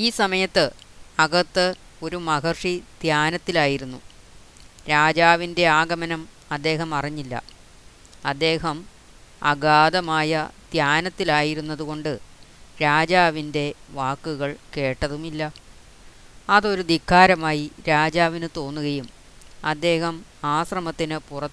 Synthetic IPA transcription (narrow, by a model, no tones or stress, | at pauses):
iːsɐmɐjɐt̪ːɨɐɣɐt̪ːɨ | o̞ɾumɐɣɐrʂid̪̥jaːnɐt̪ːilaːjiɾunːu | ɾaːd͡ʑaːʋinde̞aːɡɐmɐnɐm | ɐd̪ːe̞ːɦɐmɐriɲːilːɐ̰ | ɐd̪ːe̞ːɦɐm | ɐ̰ɡaːd̪ɐmaːjɐd̪̥jaːnɐt̪ːilaːjiɾunːɐðuɣo̞ɳɖɨ | ɾaːd͡ʑaːʋinde̞ʋaːkːuɣɐɭke̞ːʈːɐðumilːɐ | ɐðo̞ɾud̪ikʰːaːɾɐmaːjiɾaːd͡ʑaːʋinɨt̪o̞ːnːuɣɐjum | ɐd̪ːe̞ːhɐmaːsrɐmɐt̪ːinɨpurɐ